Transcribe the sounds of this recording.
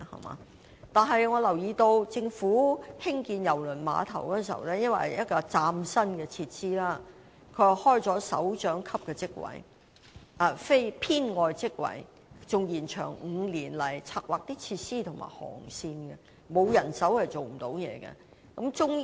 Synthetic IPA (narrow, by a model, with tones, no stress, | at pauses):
hɐ̰˨˩ma̰ː˨˦ | t̪aː˨nɦɐ˨jŋɔː˨˧lɐ˨˩wjiː˨˧t̪o˧wt͡sɪ˧ŋfuː˨˥hɪ˥ŋkiː˧njɐ˨˩wlɵ˨˩nma̰ː˨˧t̪ʰɐ˨˩wkɔ˥nsḭ˨˩wlɛː˥jɐ˥nwɐ̰˨˩jɐ˦˥t̚kɔː˧t͡saː˧msɐ˥nɡɛː˧t͡sʰiː˧t̚siː˥laː˥ | kʰɵ˨˧˨hɔː˥jt͡sɔː˨˥sɐ̰˨˥wt͡ʃœː˨˥ŋkʰɐ˥p̚kɛː˧t͡sɪ˥k̚wɐ̰˨˩j | ʔɐ˨˧fe˥jpʰiː˥nŋɔː˨jt͡sɪ˥k̚wɐ̰˨˩j | t͡sʊ˨ŋjiː˨˩nt͡ʃʰœ̰ː˨˩ŋŋ̩˨˧liː˨˩nlɐ˨˩jt͡sʰaː˧k̚waː˨k̚t̪iː˥t͡sʰiː˧t̚siː˥t̪ʰʊ˨˩ŋma̰ː˨˩jhɔ̰ː˨˩ŋsiː˧nɡɛ˧ | mo˨˧wjɐ˨˩nsɐ˨˥whɐ˨jt͡ʃo˨wm̩˨˩t̪o˨˧˥wjɛ̰ː˨˧ɡɛ̰˧ | kɐ˨˥mt͡ʃʊ˥ŋ